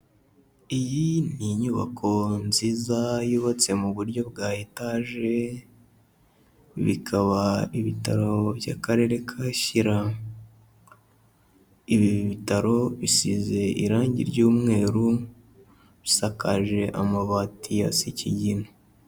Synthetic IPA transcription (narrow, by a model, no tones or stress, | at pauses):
ijiniɲuβa̰kʰo̞nziːzajoβat͡se̞muβuɾɟo̞b̚ɡaːjetaːʒe̞ | βḭkʰaβaiβita̰ɾo̞bja̰kaɾe̞ːɾe̞kʰaʃiɾa | iβiβitaɾo̞βisize̞ʔiɾaːɲɟḭɾɟuːmŋe̞ːɾu | βisakaʒe̞ʔamaβaːtʰija̰siciɟino